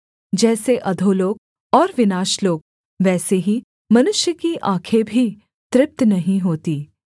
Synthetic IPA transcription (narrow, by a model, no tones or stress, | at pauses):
d͡ʒɛːseʔɐd̪ʱoːloːɡ̚ | ɔːɾʋɪnaːʃloːɡ̚ | ʋɛːseɦi | mɐnʊʃjəkiʔãːkʰebʱi | t̪ɾɪp̚t̪nɐɦĩɦoːt̪iː